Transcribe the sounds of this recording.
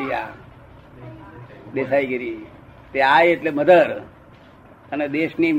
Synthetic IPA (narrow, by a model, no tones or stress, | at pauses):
ɾija̰ | d̪esaiɡəɾi | t̪eajeʈleməd̪əɾ | əned̪eʃni